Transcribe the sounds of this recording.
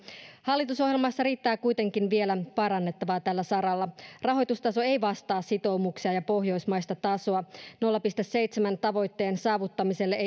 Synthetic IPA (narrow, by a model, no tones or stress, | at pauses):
hɑlːit̪uso̞ɦje̞lmɑsːɑɾiːt̪ːæːkujt̪e̞ŋk̟inʋie̞læpɑɾɑnːe̞t̪ːɑʋɑːt̪ælːæsɑɾɑlːɑrɑɦo̞jt̪ust̪ɑso̞e̞jʋɑst̪ɑːsit̪o̞muksiɑjɑpo̞ɦjo̞jsmɑjst̪ɑt̪ɑsoɑno̞lːɑpist̪æsːejt̪semænt̪ɑʋo̞jt̪ːe̞ːnsɑːʋut̪ːɑmise̞lːee